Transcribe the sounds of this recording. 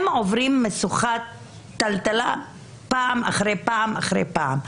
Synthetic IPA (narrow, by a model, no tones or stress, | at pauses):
movʁimːesuχatː | alt̪ala | paːma̰χʁejpaːmaχʁḛjpaam